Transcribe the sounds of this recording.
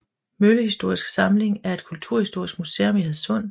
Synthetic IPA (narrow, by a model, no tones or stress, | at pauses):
møləhisd̥o̝ɐ̰isɡ̥sɑ̈mle̝ŋæɐe̝d̥̚kʰult͡sʰuɐ̰hisd̥o̝ɐ̰isɡ̥museːɐmeheð̩ˠsɔ̽n̰